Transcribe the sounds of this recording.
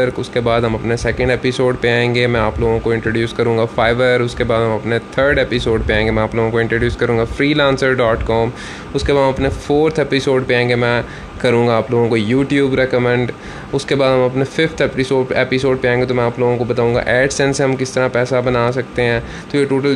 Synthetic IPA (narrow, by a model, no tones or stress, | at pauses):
əɾkʊskebaːd̪ɦɐmɐpnesɛːkə̃ɳɖeːpɪsoːɖpeãẽːŋɡemɛ̃aːploːɡõkoɪ̃ɳʈɾoːɖjuːskɐɾũːŋɡafʰaːɪʋəɾʊskebaːd̪ɦɐ̃mɐpnet̪ʰəɾɖeːpɪsoːɖpeãːŋɡemɛ̃aːploːɡõkoɪ̃ɳʈɾoːɖjuːskɐɾũːŋɡafʰɾiːlãːnsəɾɖɔːʈkɔːm | ʊskebaːd̪ɐmɐpnefʰoːɾt̪ʰepɪsoːɖpeãːŋɡemɛ̃ː | kɐɾũːŋɡaaːploːɡõkojuːʈjuːbɾɛkəmɛ̃ɳɖ | ʊskebaːd̪ɦɐmɐpnefʰɪfʰt̪ʰɛpɪsoːɖeːpɪsoːɖ̚peãẽːŋɡet̪oːmɛ̃aːploːɡõkobɐt̪aːũːŋɡa̰ʔɛːʈsɛ̃nseɦɐmkɪst̪ɐɾãpɛːsabɐnaːsɐkt̪eɦɛ̃ː | t̪ojeʈoːʈəl